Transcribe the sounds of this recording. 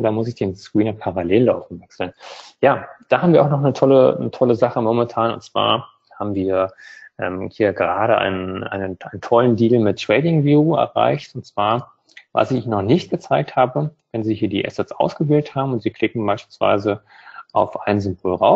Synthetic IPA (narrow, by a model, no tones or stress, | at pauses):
d̥aːmʊsɪçd̥eːnskʁiːnɐpʰaʁaleːlːaʊfm̩vɛksl̩njaːd̥aːhaːbm̩viːɐaʊxnɔχnətʰɔlə̰nətʰɔləzaχəmomɛntʰaːnʊ̰ntt͡sv̥a̰ːɐ | haːbm̩viːɐʔɛːmhiːɐɡəʁaːɾəʔa̰ɪnənʔa̰ɪnənʔaɪnəntʰɔləndiːlmɪt̚tːʁ̥ɛːdɪŋvjuːɛ̰ɐʁa̰ɪçtʊntt͡sv̥aːɐ | va̰sɪççnɔχnɪçt̚ɡ̥ət͡saɪk̚thaːbə | vɛnziːhiːɐdiːʔɛ̰sɛtsʔa̰ʊsɡ̥əveːlthaːbm̩ʊntz̥iːkʰl̥ɪkŋ̩baɪʃpilsv̥a̰ɪzə | ʔa̰ʊfʔaɪnənzʏmboːlʁa̰ʊ